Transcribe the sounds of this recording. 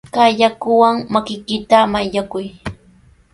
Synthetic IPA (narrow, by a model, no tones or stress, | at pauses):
kaʎakʊwaŋmakɪkɪt̪amaʎakʊj